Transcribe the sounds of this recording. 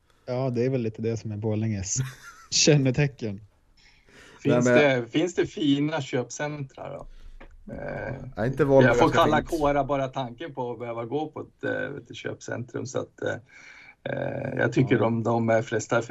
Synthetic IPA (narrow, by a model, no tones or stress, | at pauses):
jɑːd̪ɛæɾvɛlːiːt̪əd̪ɛsɔmæɾboːlɛŋəsɕɛnːət̪ʰɛkːən | fɪsd̪ɛfɪnsd̪ɛfiːnaɕøːpsɛnt̪ɾa̰ɾɖɔ̰ | ɪnt̪əjaɡfoːkʰalːakʰoːɾabɑːɾat̪ʰaŋkənpʰɔːbɛhøːvaɡoːpʰɔɛt̪vḛt̪ːəɕø̰ːpsɛ̰nt̪ɾɵ̰msa̰t̪ | jɑ̰ːɡ̚t̪ʰʏkːəɾɔmd̪ɔmæɾflɛst̪af